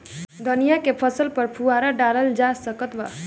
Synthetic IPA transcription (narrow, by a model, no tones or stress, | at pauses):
d̪ʱənijakepʰəsəlpəɾpʰuaɾaɖaləld͡ʒasəkət̪ba